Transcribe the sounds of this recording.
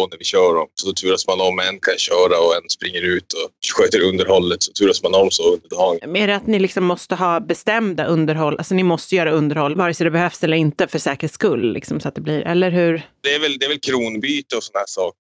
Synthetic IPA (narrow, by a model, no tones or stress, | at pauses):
ɔnæɾvɪɕœːɾɔmsɔt̪ʰʉːɾasmanɔmːɛnːkʰanɕœːɾaɔɛnːspɾɪŋːəɾʉ̟ːt̪ʰɔɧøːt̪əɾɵnd̪əɾhɔlːət̪sɔ̥t̪ʰʉːɾasmanɔmːsɔɵnd̪əɖɑːɡmeːɾat̪nɪlɪksɔmːɔst̪əɦɑːbɛst̪ɛmd̪aʔɵnd̪əɾɦɔlːʔa̰lsɔnɪmɔst̪əjœːɾaɵnd̪əɾhɔlːvɑːɾəsɔd̪ɛbɛhœfsɛlːəɾɪnt̪əfœʂɛːkɾəskɵlːlʔɪ̰ksɔmsɔat̪̚d̪ɛbliːɾʔɛ̰lːəɾɦʉɾd̪ɛːɾvɛld̪ɛːɾvɛlkʰɾuːnbyːt̪əɔsɔnhæːʂɑːk